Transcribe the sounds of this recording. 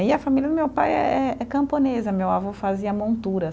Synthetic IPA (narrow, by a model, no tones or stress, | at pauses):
iɐfamilʲjɐd̪ʊmewpajɛ̰ɛɛkɐ̃mponezɐmewavofaziɐmõnt̪uɾɐ